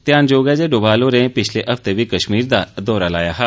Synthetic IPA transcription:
t̪ɪjaːnd͡ʒoːɡɛːd͡ʒeːɖoːbaːloːɾẽːpɪt͡ʃʰleːʔəft̪eːʋiːkəʃmiːɾd̪aːd̪ɔːɾaːlaːjaːɦaː

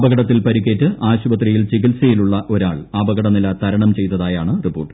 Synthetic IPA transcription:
bɐɣɐɽɐt̪ːilpɐɾikʲːeːtːɨʔaːɕubɐt̪rijilt͡ɕikilsɐjiluɭːɐʔo̞ɾaːɭaːbɐɣɐɽɐnilɐt̪ɐɾɐɳɐmt͡ɕe̞jt̪ːɐðaːjaːɳɨripːo̞ːʈːɨ̥

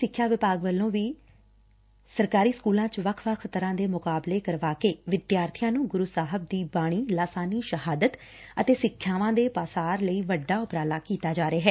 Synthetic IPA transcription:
sɪkʰːjaːʋɪpaːɡʋəlːõːʋiː | səɾkaːɾiːskuːlãːt͡ʃʋəkʰʋəkʰt̪əɾãːd̪eːmʊkaːbleːkəɾʋaːkeːʋɪd̪jaːɾt̪ʰijãːnũːɡʊɾusaːɦəb̚d̪iːbaːɽ̃iːlaːsaːniːʃəɦaːd̪ət̪ | ət̪eːsɪkʰːjaːʋãːd̪eːpaːsaːɾləiːʋəɖːaːʊpɾaːlaːkiːt̪aːd͡ʒaːɾeaːɦɛː

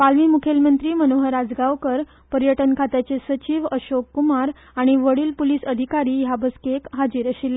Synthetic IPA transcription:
palʋiːmukʰelmənt̪ɾiːmənoɦəɾad͡zɡaʋkəɾ | pəɾjəʈənkʰat̪at͡sesət͡ɕiːʋəɕokːumaɾ | aɽ̃iʋəɽiːlpulisəd̪ʱikaɾiːjabəskekɦad͡ʑiːɾəɕilːe

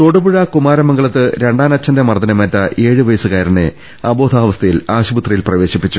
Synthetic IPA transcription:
t̪oɽubuɻɐkumaːɾɐmɐŋɡɐɭɐt̪ːɨɾe̞ɳɖaːnɐt͡ɕːɐndemɐrd̪ɐnɐmɐtːɐʔe̞ːɻɨʋɐjɐsɨkaːɾɐɳe | ɐbo̞ːd̪ʱaːʋɐst̪ʰɐjilaːɕubɐt̪rɐjilprɐʋe̞ːɕipːit͡ɕːu

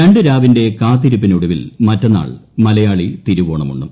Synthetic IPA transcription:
ɐɳɖɨɾaːʋinde̞kaːt̪ːiɾup̬ːinuɽɐʋilmɐtːɐnːa̰ːɭmɐlɐjaːɭit̪iɾuʋoːɳɐmṵɳːṵm

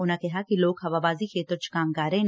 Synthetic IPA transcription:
ʊnãkɛɦakiloːɡɦɐʋabaːziket̪ʊt͡ʃʰkaːmkaːɾɦn

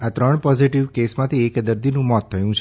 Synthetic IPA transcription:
at̪ɾəɳ̃pɔziʈiʋkesmãt̪ʰiekd̪əɾd̪inũmɔt̪ʰːəjũt͡ʃʰ

